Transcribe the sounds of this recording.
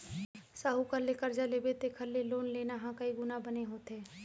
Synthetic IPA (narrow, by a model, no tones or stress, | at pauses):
saːɦukəlːekəɾd͡ʒaleːbet̪ekʰəlːeloːnleːnaɦãkɐiɡʊnabəneɦoːt̪eː